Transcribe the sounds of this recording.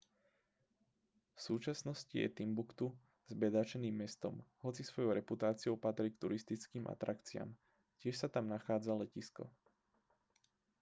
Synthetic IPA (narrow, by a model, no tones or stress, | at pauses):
fsuːt͡ʃasnɔscijɛ̰t̪imbukt̪u | zbɛd̪aːt͡ʃɛniːmːɛst̪ɔ̰mhɦɔt͡sisʋɔjɔʊɾɛput̪aːt͡siɔʊpat̪ɾikt̪uɾist̪it͡skiːmʔa̰t̪ɾakt͡sia̰m | cɪɛʃsat̪amnaxaːd͡zalɛciskɔ̰